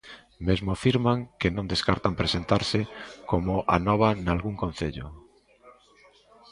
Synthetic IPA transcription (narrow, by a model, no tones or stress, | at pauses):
mezmʊafiɾmaŋkenõnd̪eskaɾt̪ampɾesent̪aɾsɪkomʊʔa̰nɔβ̞analɣuŋkõn̟θeʎʊ̰